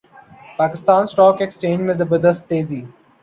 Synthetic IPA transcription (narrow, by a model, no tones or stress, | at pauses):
paːkɪst̪ãːnsʈɔːkɛkst͡ʃẽːnd͡ʒmɪzəbəd̪əsʈt̪eːziː